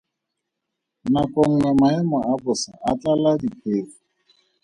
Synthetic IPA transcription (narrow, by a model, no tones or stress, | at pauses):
nakʼɔŋ̩ŋɛmaɛmaabʊsaʔat͡ɬaladipʰeːʊ